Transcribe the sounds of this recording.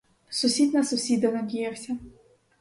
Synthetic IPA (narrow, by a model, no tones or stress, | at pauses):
sʊsʲid̪nɐsʊsʲid̪ɐnɐdʲijawsʲɐ